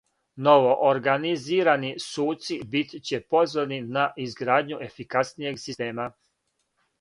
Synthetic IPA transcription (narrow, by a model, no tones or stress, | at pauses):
noʋoʔoɾɡaniziːɾanisuːt̪sibit̪t͡ɕe̞po̞zoɾninaʔizɡɾaːd̪ɲue̞fikasnije̞ɡsist̪e̞ːma